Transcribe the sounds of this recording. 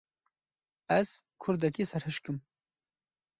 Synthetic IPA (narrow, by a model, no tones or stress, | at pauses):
ɐz̥kʰʊɾd̪ɐkisɐɾhɨʃkɨm